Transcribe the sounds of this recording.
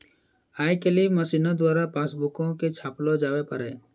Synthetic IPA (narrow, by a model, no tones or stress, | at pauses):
aːjkeliːməsiːnad̪waːɾapaːsbʊkõket͡ʃʰaːplod͡ʒaːwepəɾeː